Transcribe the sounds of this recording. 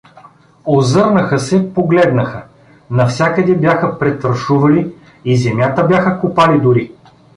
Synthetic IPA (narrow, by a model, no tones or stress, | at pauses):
ozɤɾnɐxəsɛpoɡlɛd̪nəxə | nɐfsʲakəd̪ɛbjaxəpɾɛt̪ɐɾʃuvɐli | izɛmjat̪əbʲjaxəkupalid̪ʊɾi